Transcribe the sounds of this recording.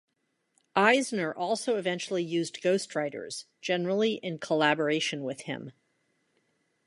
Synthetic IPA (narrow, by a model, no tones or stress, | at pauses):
ʔaɪznə˞ʔɔlˠsoʊɨvɛ̃nt͡ʃl̩ˠijʉzɡ̥oʊst̚ʰɹaɪɾə̰˞z̥ | d͡ʒ̥ɛnə˞l̩ˠiʔɪ̃nkʰəlæbə˞eɪʃɨ̃nwɪð̥ɪ̰̃m